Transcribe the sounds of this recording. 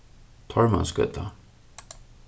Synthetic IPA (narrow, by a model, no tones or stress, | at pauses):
t̪ʰɔɹma̰nskœ̰t̪ʰa